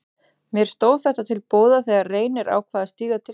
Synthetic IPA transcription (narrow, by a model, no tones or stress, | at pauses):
mjɛɾ̥st̪oːwθɛht̪at̪ʰɪlpoːwðaθɛːɣareːjnɪɾa̰ːwkʰvaːðast̪iːɣat̪ʰɪ